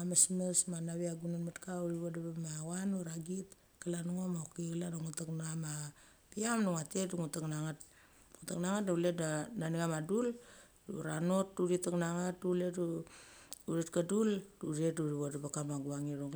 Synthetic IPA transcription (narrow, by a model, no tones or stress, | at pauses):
amasmesmanaβiaɡunanmatkauɾiβodabamawanuɾaɡit | kalanuŋomaokiɡlanaŋutaknama | piamnuŋatetduŋutaknaŋat | ŋutaknaŋatnauletnananiŋamadul | dṵɾano̞t̚duɾitaknaŋatuletu | uɾetkadulduɾetuɾiβodabakamaɡuaŋiɾoŋ